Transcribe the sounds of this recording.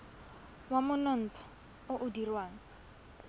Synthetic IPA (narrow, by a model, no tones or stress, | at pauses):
wamʊnɔn̩ːt͡sʰɔ̥ | ʊʔʊdirwaːŋ̩